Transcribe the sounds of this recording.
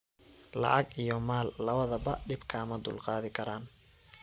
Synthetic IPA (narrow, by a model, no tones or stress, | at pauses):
lɑ̰ʕɑɡijɔmaːlːɐβɐðɐbɐɖɪbkʰɐːmɐd̪ʊ̰lqɑːðɪkʰɐɾaːn